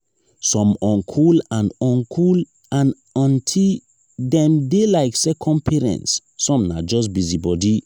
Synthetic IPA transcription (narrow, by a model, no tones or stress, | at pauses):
sɔ̃mɔ̃nkʰulãnɔ̃nkʰul | ãn | ɔ̃ntʰil | dɛ̃mdelaɪksɛkʰɔ̃npʰɛɹɛ̰̃ntsːɔ̃mna̰d͡ʒɔs̬bizibɔdi